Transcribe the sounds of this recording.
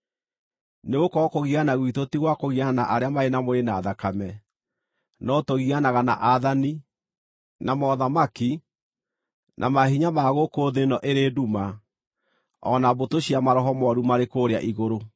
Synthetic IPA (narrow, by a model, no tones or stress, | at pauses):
neɣokɔkoɣianaɣwitotiɣwakoɣianaʔaɾeamaenamoenaːðakamɛ | nɔtoɣianaɣanaʔaðani | namɔðamaki | nʔa̰maɦiɲamaɣokoːðenɔʔeɾeːduma | ɔnabotoɕiamaɾɔɦɔmɔɾumaɾekoːɾea̰ʔiɣoɾo